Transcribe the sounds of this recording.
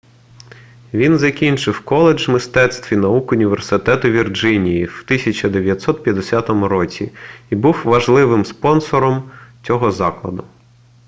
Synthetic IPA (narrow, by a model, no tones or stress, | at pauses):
ʋʲinzɐkʲinʲt͡ʃɪwkɔlˠed͡ʒmɪst̪ɛt̪st̪ʋʲinɐukʊnʲiʋersɪt̪ɛt̪ʊʋʲird͡ʒɪnʲijiwt̪ɪsʲɐt͡ʃɐd̪eʋʲjɐt̪sɔt̪̚pʲjɐd̪esʲɑt̪ɔmʊɾɔt͡sʲḭibuwʋɐʒlˠɪʋɪmspɔnsɔɾɔmt͡sʲɔɦɔzɑklˠɐd̪ʊ